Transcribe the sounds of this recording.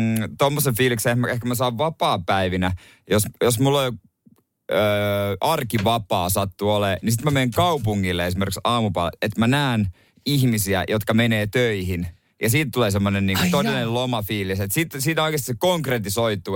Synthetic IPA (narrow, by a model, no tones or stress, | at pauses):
t̪omːosefiːliksehmæehkæmæsɑːʋʋɑpɑːpæiʋinæ | josjosmulːol | øːɑrkiʋɑpɑːsɑt̪ːuoleːnisit̪mæmeːŋkɑupuŋːilːeesimeɾrkiksɑːmupɑ̰lḛet̪mænæːn | ihmisiæ̰jot̪kɑmeneːt̪øihin | jɑsiːt̪t̪uleːsemːonenniːŋkut̪onenelomɑfiːliset̪siːt̪siːt̪ooikest̪isekoŋkret̪isoit̪ːu